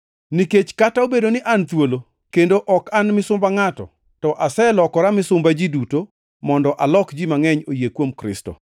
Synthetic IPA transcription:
niket͡ʃkataobedonɪʔant̪wolo | kendoʔɔkanmɪsʊmbaŋatɔ̰ | tɔʔasɛlɔkɔɾamɪsʊmbad͡ʒiduto | mɔndɔʔalɔkd͡ʒimaŋɛɲojekwomkɾɪ̰sto̰

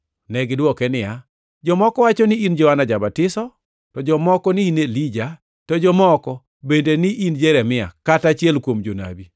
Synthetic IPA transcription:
nɛɡɪdwɔkɛnɪja | d͡ʒɔmɔkɔwat͡ʃɔnɪind͡ʒɔanad͡ʒabatɪsɔ | tɔd͡ʒɔmɔkɔniinelid͡ʒa | tɔd͡ʒɔmɔkɔ | bendenɪʔind͡ʒeɾɛmɪa̰katat͡ʃjɛlkwomd͡ʒona̰bi

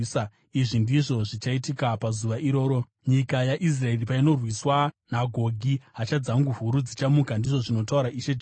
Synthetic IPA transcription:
iʐindiʐo̞ʐit͡ʃaitikapazuʋaʔiɾo̞ːɾo̞ | ɲikajaʔis̬rae̞ripaino̞rwiswanaɡʱo̞ɡʱiɦat͡ʃad͡zaŋɡuɦuɾud͡zit͡ʃamukandiʐo̞ʐino̞tauɾaʔiʃed͡ʒ

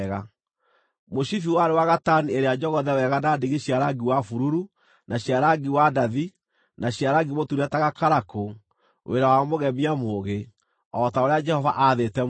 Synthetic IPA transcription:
ɣa | moʃifiwaɾewaɣatanieɾead͡ʒɔɣɔðɛwɛɣanadiɣeɕjaɾaɡiwafuɾuɾu | naɕjaɾaɡiwadaði | naɕjaɾaɡimotuɾataɣakaɾako | wʔḛɾawamoɣɛmiamoːɣe | ɔtaoɾead͡ʒɛhɔvaʔaðetɛ

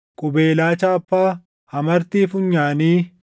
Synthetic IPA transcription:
kʼʊbeːlaːt͡ʃaːɐpːaː | hɐmɐɾt̪iːfʊɲːaːniː

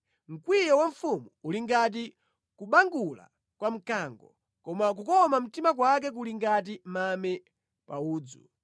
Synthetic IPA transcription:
ŋ̩kwijɔwaɱfumuuliŋɡat̬i | kuɓaŋɡula̰ | kwam̩kaŋɡɔ | kɔmak̬ukɔmam̩timak̬wak̬ɛk̬uliŋɡat̬imamɛ | pa̰uːd͡zṵ

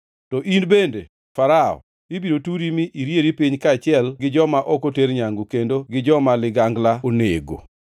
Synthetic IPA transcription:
tɔʔinbende | faɾaɔ̰ | ibiɾotuɾimiʔiɾjeɾipiɲkat͡ʃɪɛlɡɪd͡ʒɔmaʔɔkoteɾɲaŋɡokendoɡɪd͡ʒɔmalɪɡaŋɡlaoneɡo̰

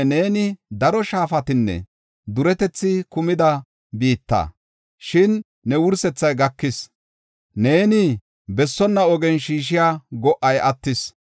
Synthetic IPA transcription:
neːnɪd̪ɐɾɔʃaːfɐt̪ɪnːɛ̰ | d̪ʊɾɛt̪ɛt͡sːɪkʊmɪd̪ɐ | biːt̪ːɐ̰ | ʃɪnː | ɛwʊɾsɛt͡sːɐjɡɐkːɪs | ne̞ːnɪ | bɛsːɔnːɐɔɡɛnʃiːʃ̬ɪjaːɡɔʔːɐjɐt̪ːɪs

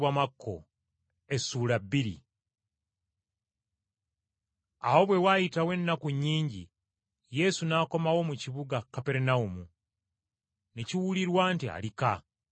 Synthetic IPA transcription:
wamakʰːo̞̰ | e̞sːuːlabːiɾḭ | a̰wo̞βwe̞wajitawe̞nːakuɲːiːɲɟi | je̞sunaːko̞mawo̞muciβuɡakːape̞ɾenaumu | neciwuliɾwaːntia̰lika

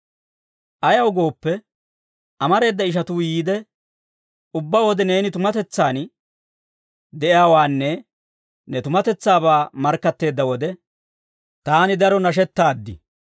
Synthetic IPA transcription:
ʔɐjɐwɡo̞ːpːɛ | ʔɐmɐɾe̞ːd̪ːɐɪʃ̬ɐt̪uːjiːd̪ɛ | ʊbːaːwɔd̪ɛne̞ːnɪt̪ʊmɐt̪ɛt͡sːaːn | d̪ɛʔɪaːwaːnːɛ | nɛt̪ʊmɐt̪ɛt͡sːaːbaːmɐɾkːɐt̪ːe̞ːd̪ːɐwɔd̪ɛ | t̪aːnɪd̪ɐɾɔnɐʃɛt̪ːaːd̪ːɪ̰

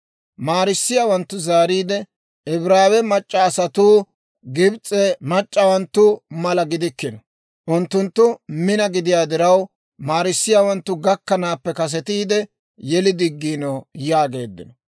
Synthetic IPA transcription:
maːɾɪsːɪjaːwɐnt̪ːʊzaːɾiːd̪ɛ | ɪbɾaːwɛmɐt͡ʃʼːɐːsɐt̪uː | ɡɪbt͡sʼːɛmɐt͡ʃʼːɐwɐnt̪ːʊmɐlɐɡɪd̪ɪkːɪnɔ | ʔʊnt̪ːʊnt̪ːʊmɪnɐɡɪd̪ɪjaːd̪ɪɾɐw | maːɾɪsːɪjaːwɐnt̪ːʊɡɐkːɐnaːpːɛkɐs̬ɛt̪iːd̪ɛ | jɛlɪd̪ɪɡːiːnɔjaːɡe̞ːd̪ːɪ̰nɔ

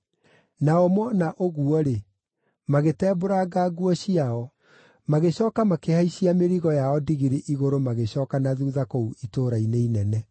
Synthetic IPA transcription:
naɔmɔnaʔoɣuɔɾe | maɣetɛːboɾaɡaɡuɔɕiaɔ | maɣeɕɔːkamakehaiɕiameɾiɣɔjaɔdiɣiɾeʔiɣoɾomaɣeɕɔkanaðuðakouitoːɾaineinɛnɛ

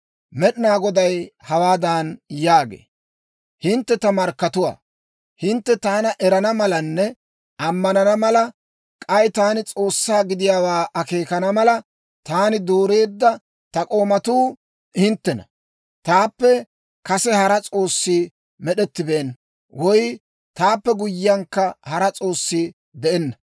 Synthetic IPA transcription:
mɛɗɪnaːɡɔd̪ɐjhɐwaːd̪aːnjaːɡḛː | hɪnt̪ːɛt̪ɐmɐɾkːɐt̪ʊwa̰ | hɪnt̪ːɛt̪aːnɐʔɛɾɐnɐmɐlɐnːɛ | ɐmːɐnɐnɐmɐlɐ | kʼɐjt̪aːnɪt͡sʼo̞ːsːaːɡɪd̪ɪjaːwaːʔɐke̞ːkɐnɐmɐlɐ | t̪aːnɪd̪oːɾe̞ːd̪ːɐ | t̪ɐkʼo̞ːmɐt̪uː | hɪnt̪ːɛnɐ̰ | t̪aːpːɛ | kɐsɛhɐɾɐt͡sʼo̞ːsːiː | mɛɗɛt̪ːɪbeːn | wɔj | t̪aːpːɛɡʊjːɪjɐŋkːɐhɐɾɐt͡sʼo̞ːsːiː | d̪ɛʔɛnːɐ

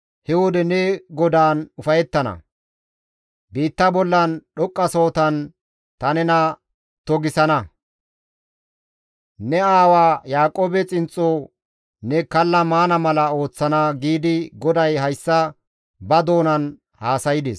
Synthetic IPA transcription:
hɛwɔd̪ɛnɛɡɔd̪aːnʊfɐjɛt̪ːɐnɐ̰ | biːt̪ːɐbɔlːɐnɗɔkʼːɐso̞ːt̪ɐn | t̪ɐnɛnɐ | t̪ɔɡɪsɐnɐ | nɛaːwaːjaːkʼoːbɛt͡sʼɪnt͡sʼːo | nɛkɐlːɐmaːnɐmɐlɐo̞ːt͡sːɐnaɡiːd̪ɪɡɔd̪ɐjɦɐjsːɐ | bɐd̪o̞ːnɐn | haːsɐjɪd̪ḛːs

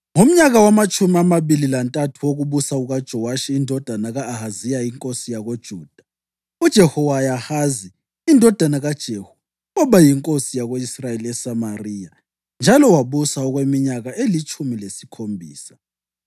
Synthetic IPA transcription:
ŋom̩ɲaɣawamat͡ʃʼumiamaβililantʼatʰuwoɣuβusauɣad̥ʒ̥ʱɔwaʃiːndʱɔd̥ʱanaɣaːhazijajiŋkʼosijaɣod̥ʒ̥ʱuːd̥ʱḁ | ud̥ʒ̥ʱɛhɔwajahaziː | ndʱɔd̥ʱanaɣad̥ʒ̥ʱeːhu̥ | ɔβajiŋkʼosijaɣoisrajeliɛsamariːja | nd͡ʒʱalɔwaβusauɣwemiɲaɣaʔelit͡ʃʼʰumilesi̥kʰombʱḭːsḁ

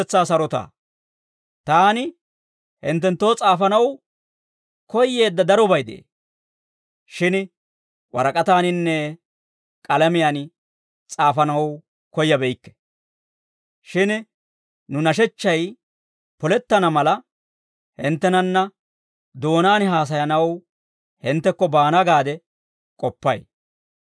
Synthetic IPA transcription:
ɛt͡sːaːsɐɾɔt̪a̰ː | t̪aːnɪ | hɪ̰nt̪̬ːɛnt̪ːo̞ːt͡sʼaːfɐnɐw | kɔjːe̞ːd̪ːɐd̪ɐɾɔbɐjd̪eʔḛː | ʃɪn | wɐ̰ɾɐkʼɐt̪aːnɪnːɛ | kʼɐlɐmɪjaːn | t͡sʼaːfɐnɐw | kɔjːɐbɛjkːɛ̥ | ʃɪn | nʊnɐʃɛt͡ʃːɐj | pɔlɛt̪ːɐnɐmɐlɐ | hɪnt̪ːɛnɐnːɐ | d̪o̞ːnaːnɦaːs̬ɐjɐnɐw | hɪnt̪ːɛkːɔbaːnaɡaːd̪ɛ | kʼɔpːɐj

